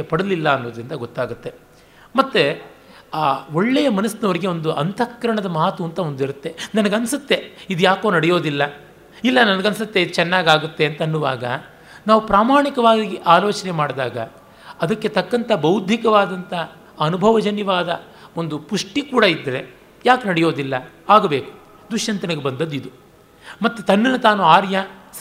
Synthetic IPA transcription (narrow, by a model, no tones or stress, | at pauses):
epɐɽɐlilːɐːnːoːd̪ɾind̪ɐɡot̪ːaːɡut̪ːe̞ | mɐt̪ːe | aːoɭːejɐmɐnɐsɐnɐʋɐɾiɡe̞o̞nd̪uʔɐnt̪ɐkːɐɾɐɳɐd̪ɐmaːt̪uɐnt̪ɐond̪iɾut̪ːe̞nɐnɐɡɐnsut̪ːe̞id̪ujaːko̞ːnɐɽɛjo̞ːd̪ilːɐ | ilːɐnɐnɐɡɐnsɐt̪ːe̞id̪ut͡ʃɛnːaːɡaːɡut̪ːe̞ɐnt̪ɐnːuʋa̰ːɡɐ̰ | naːʋupɾaːmaːɳikɐʋaːɡiʔaːlo̞ːt͡ʃɐnemaːɽd̪a̰ːɡɐ̰ | ɐd̪ɐkːe̞t̪ɐkːɐnt̪ʰɐbɐwud̪ʱikɐʋaːd̪ɐnt̪ɐ | ɐnubʱɐʋɐd͡ʒɐnjɐʋaːd̪ɐ | o̞nd̪upuʂʈikuːɽɐid̪ːɾe̞ | jaːknɐɽɛjo̞ːd̪ilːɐaːɡɐbe̞ːku̥ | d̪uʂjɐnt̪ɐnɐɡebɐnd̪ɐd̪uid̪u | mɐt̪ːut̪ɐnːɐnɐt̪aːnuaːɾjɐs